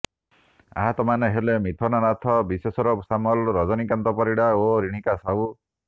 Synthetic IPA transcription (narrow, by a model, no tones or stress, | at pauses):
a̰ɦat̪ɔmaneɦelemit̪ʰɔnaɾat̪ʰɔbisesɔɾɔpsamɔlɾɔd͡ʒɔnikant̪ɔpɔɾiɽaoɾiɽ̃ikasaw